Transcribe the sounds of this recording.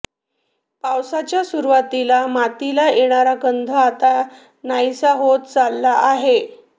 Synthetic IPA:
pawsat͡ɕjasuɾʋat̪ilamat̪ilajeɽ̃aɾaɡənd̪ʱəat̪a | najsaɦot̪t͡salːaʔaɦe

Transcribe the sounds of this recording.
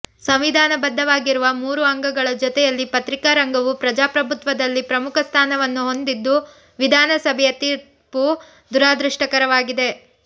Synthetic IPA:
sɐmʋid̪ʱaːnɐbɐd̪ʱːɐʋaːɡiɾuʋɐmuːɾuɐŋɡɐɡɐɭɐd͡ʒɔt̪ɛjɐlːipɐt̪ɾikaɾɐŋɡɐʋupɾɐd͡ʒaːpɾɐbʱut̪ʋɐd̪ɐlːipɾɐmukʰɐst̪ʰaːnɐʋɐnːuɦo̞nd̪id̪ːu | ʋid̪ʱaːnɐsɐbʱɛjɐt̪iːɾ | pu | d̪uɾaːd̪ɾiʂʈɐkɐɾɐʋaːɡid̪e̞

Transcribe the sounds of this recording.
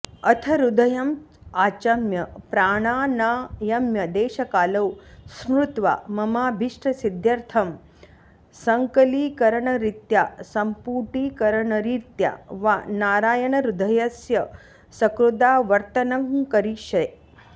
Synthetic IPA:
ɐt̪ʰɐɾud̪ʱɐjɐmaːt͡ʃɐmjɐpɾaːɳ̃aːnaːjɐmjɐd̪eːʃɐkaːlɐwsmɾut̪ʋa̰ːmɐmaːbʱiʂʈɾɐsid̪jɐɾt̪ʰɐm | sɐŋkɐliːkɐɾɐɳɐɾit̪jaːsɐmpuːʈiːkɐɾɐɳɐɾit̪ja̰ːʋanaːɾaːjɐɳɐɾud̪ʱɐjɐsjɐ | sɐkɾud̪aːʋɐɾt̪ɐnɐŋkɐɾiʃɐ

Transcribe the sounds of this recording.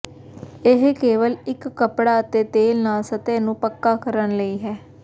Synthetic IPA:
ɪɦkeːʋəlɪkːəpɽaːət̪eːt̪eːlnaːsət̪eːnũːpəkːaːkəɾənləiːɦɛː

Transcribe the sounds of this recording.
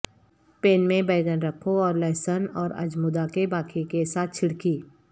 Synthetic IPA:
peːnmẽbəːɡənɾɐkʰoɔːɾlɛːsənɔːɾɐ̰d͡ʒmʊd̪akebaːkʰikesaːt̪̚ʰt͡ʃʰɪɽkiː

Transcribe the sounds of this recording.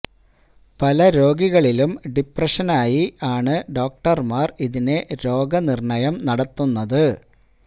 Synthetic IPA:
pɐlɐɾo̞ːɡiɣɐɭilumɖiprɐʂɐnaːjiʔaːɳɨɖo̞ːk̚ʈɐrmaːriðine̞ɾo̞ːɡɐnirɳɐjɐmnɐɽɐt̪ːunːɐðɨ

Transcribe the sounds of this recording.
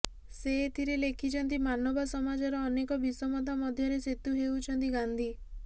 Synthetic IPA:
seːt̪ʰiɾelekʰit͡ʃʰɔnt̪imanɔbasɔmad͡ʒɔɾɔːnekɔbisɔmɔt̪amɔd̪ʱjɔɾeset̪uɦeut͡ʃʰɔnt̪iɡand̪ʱi

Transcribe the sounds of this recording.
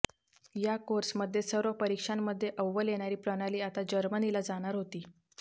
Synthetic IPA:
jakoɾsməd̪ʱːjesəɾopəɾikʂanːəd̪ʱːjeʔəʋːəljeɽ̃aɾiːpɾəɽ̃aliːat̪ad͡ʑəɾmənilad͡zaɽ̃aɾɦot̪iː

